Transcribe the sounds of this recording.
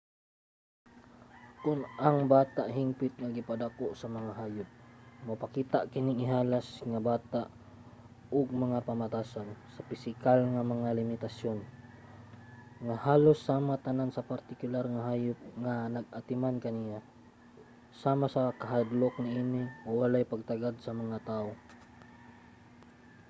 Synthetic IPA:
kʊnaŋbaːt̪aʔɦiŋpɪt̪̚ŋaɡɪpad̪akoʔsɐmɐŋaɦaːjʊp̚mɐpakiːt̪aʔkɪnɪŋɪɦaːlasŋabaːt̪aʔ | ʊɡ̚mɐŋapɐmat̪aːsansɐpɪsɪkalŋamɐŋalɪmɪt̪asjon | ŋahaːlosːaːmat̪ɐnansɐpaɾt̪ɪkʊlaɾŋaɦaːjʊp̚ŋanɐɡ̚ɐt̪ɪmankɐnija | saːmasɐkɐɦad̪lok̚nɪʔiːnɪʔowalajpaɡ̚t̪aɡad̪̚sɐmɐŋat̪aːʔo

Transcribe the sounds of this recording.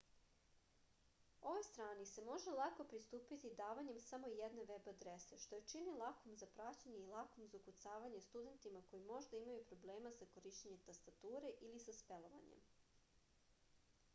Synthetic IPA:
o̞ʋo̞jst̪ɾaːnise̞mo̞ʒelˠako̞pɾist̪uːpit̪id̪aːʋaɲe̞msamo̞jed̪ne̞ʋebad̪ɾese̞ʃt̪o̞jet͡ʃinilˠakomzapɾat͡ɕaɲe̞ilˠakomzaukut̪saːʋaɲe̞st̪ud̪e̞nt̪imako̞jimo̞ʒd̪aimajupɾo̞ble̞ːmazako̞ɾiʃt͡ɕeɲe̞mt̪ast̪at̪uːɾe̞ʔilisaspelˠo̞ʋa̰ɲḛm

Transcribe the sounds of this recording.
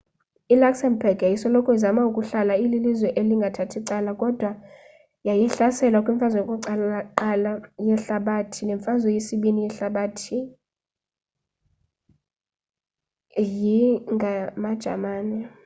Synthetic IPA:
ilaksɛnbʱɛrɡjajisɔlɔkʰɔizamaukʼuɬalaililizwɛʔeliŋɡʱatʰatʰiǀalakʼɔd̥ʱwa | jajɛɬasɛlwakʼwiɱfazwɔkʼɔǃalaǃalajɛɬaɓatʰinɛɱfazwɛjesiɓinijɛɬaɓatʰi | jiŋɡʱamad̥ʒ̥ʱa̰maːnɛ

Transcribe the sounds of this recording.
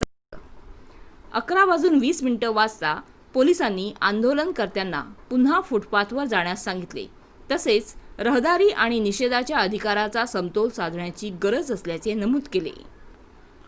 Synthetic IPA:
ə̰kɾabad͡zuːnʋiːsminʈəʋad͡zt̪a | polisanːiːʔand̪olənkəɾt̪janːa̰pun̤ɦafuʈpat̪ʰʋəɾd͡zaɳjasːãŋɡit̪lḛ | t̪əset͡sɾəɦd̪aɾiːʔaɽ̃iniɕed̪at͡ɕjaəd̪ʱikaɾat͡sasəmt̪olsad̪ʱɳjat͡ɕiːɡəɾəd͡zəsljat͡senəmud̪kelḛ

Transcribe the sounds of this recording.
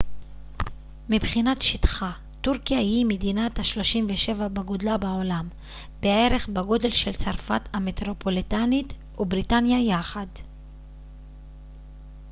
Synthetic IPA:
mibχinatʃit̪χa | tuʁkijahihimedinathaʃlo̞ʃimveʃe̞vabaɡo̞dlabao̞lam | bee̞ʁe̞χbeɡo̞de̞lʃelt͡saʁfatametʁo̞po̞litanit | ubʁitanjajaχad

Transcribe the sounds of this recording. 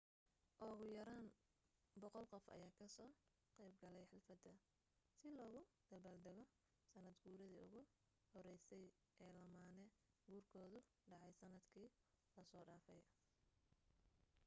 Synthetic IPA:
ʔɔɣʊjɐɾaːnbɔqɔlqɔfɐ̰jaːkʰɐsɔː | qɛjb̚ɡɐlɛjħɪlfɐd̪ɐ | sɪlɔːɣʊd̪̥ɐbaːld̪ɛɣɔ | sɐnɐd̪ɡuːɾɐðiːʊɣʊ | hɔɾɛjsɛj | ʔɛːlɐmaːnɛ | ɡuːrkʰɔːðʊ | ɖɑʕɑjsɐnɐd̪kʰiː | lɐsɔːɖaːfɛj

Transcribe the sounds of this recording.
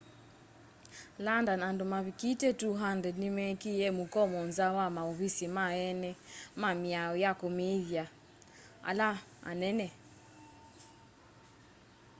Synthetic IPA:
landanandɔmaβikitɛtuɦandɛnimɛkijɛmukɔmɔnzawamauβisimaɛnɛmamiaɔjakɔmiðja | a̰laa̰nɛnɛ

